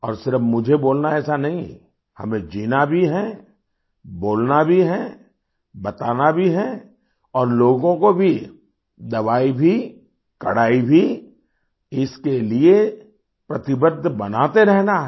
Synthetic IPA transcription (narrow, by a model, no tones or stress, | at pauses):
ɔːɾsɪɾəfmʊd͡ʒʱeboːlnaɛːsanɐɦĩ | hɐ̰mẽd͡ʒiːnabʱiɦɛ | boːlnabʱiɦɛ | bɐt̪aːnabʱiɦɛ | ɔːɾloːɡõkobʱi | d̪ɐʋaːibʱi | kɐɽaːibʱi | ɪskelie | pɾɐt̪ɪbəd̪ʱːbɐnaːt̪eɾɛɦnaɦ